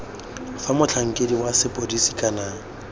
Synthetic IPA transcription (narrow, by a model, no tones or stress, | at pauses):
famʊt͡ɬʰaŋ̩kʼediwasɪpʼodisikʼana